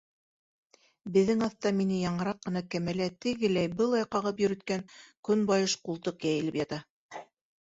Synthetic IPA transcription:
bɘ̆ðːɘŋɑθt̪ɑminɘjɑɴɤ̆ɾɑqːɤ̆nɑkæmælæt̪ɘ̆ɡɘ̆læjbɤlˠɑjqɑʁɤpjɵ̆ɾɵ̆t̪kæŋkɵnbɑjɤʃqulˠt̪ɤqjæjɘ̆lɘpjɑt̪ɑ

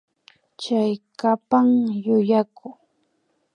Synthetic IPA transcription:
t͡ʃajkapaŋjʊjakʊ

